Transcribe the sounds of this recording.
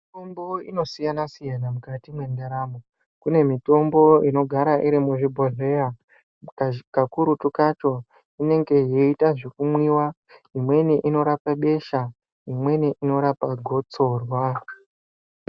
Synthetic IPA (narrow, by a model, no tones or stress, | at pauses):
mito̞mboino̞sijanasijanamukatimwe̞ndaɾamo | kune̞mito̞mbo̞ino̞ɡʱaɾaʔiɾimuʐibʱo̞ɮe̞ja | kakuɾutukat͡ʃo̞ | ine̞ŋɡe̞jeitaʐekumwiwa | imwe̞niʔino̞ɾapaɓe̞ʃa | imwe̞niʔino̞ɾapaɡʱo̞t͡so̞rwa